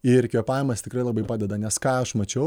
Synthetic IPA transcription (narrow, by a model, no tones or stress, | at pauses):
ɪɾkʲiːpɑːjmɐst̪ʲɪkɾɐɪlˠɐbɐɪpɑːdʲɛd̪ɐnʲɛskɑːɐʃmɐt͡ʃʲɛʊ